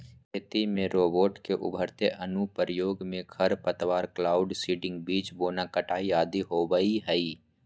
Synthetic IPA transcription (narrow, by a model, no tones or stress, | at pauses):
kʰeːt̪imẽɾoːboːʈkeʔʊ̰bʱəɾt̪eʔənupɾjoːɡmẽkʰəɾpət̪waːɾklaːʊɖsiːɖɪ̃ŋɡbiːt͡ʃboːnakəʈaːiaːd̪iɦoːbəiɦɛi